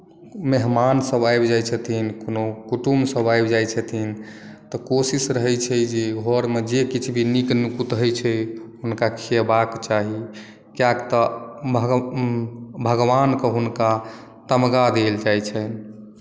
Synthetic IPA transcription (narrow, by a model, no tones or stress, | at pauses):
meɦmansəbajbd͡ʒajt͡ʃʰət̪ʰinkonokuʈumsəbajbd͡ʒajt͡ʃʰət̪ʰint̪ɔkosisɾəɦɛt͡ʃʰɛd͡ʒeɡʱɔɾmed͡ʒekit͡ʃʰbʱiniknukut̪ɦəjt͡ʃʰɛɦunkakʰebakt͡ʃaɦi | kjakt̪ɔbʱ | bʱəɡʋankəɦunka | t̪əmɡad̪eld͡ʒajt͡ʃʰən